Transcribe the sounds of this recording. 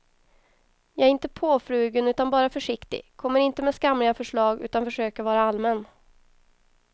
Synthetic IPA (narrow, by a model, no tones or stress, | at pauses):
jɑːɛɾɪnt̪əpʰoːfɾʉ̟ːɡənʉ̟ːt̪anbɑːɾafœʂɪkt̪ɪ̰kʰɔmːəɾɪnt̪əmɛskamɾɪɡafœʂɭɑːɡʉ̟ːt̪anfœʂøːkəɾvɑːɾaalmɛn